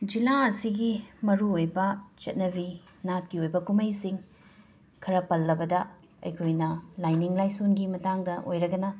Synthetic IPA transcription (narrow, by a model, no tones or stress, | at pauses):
d͡ʒilaɐsiɡimɐɾuojbɐt͡ʃɐt̚nɐbi | nat̚kiojbɐkumɐjsiŋ | kʰɐɾɐpɐlːɐbɐdɐ | ɐ̰jkʰojnɐlajniŋlajsonɡimɐtaŋdɐʔojɾɐɡɐnɐ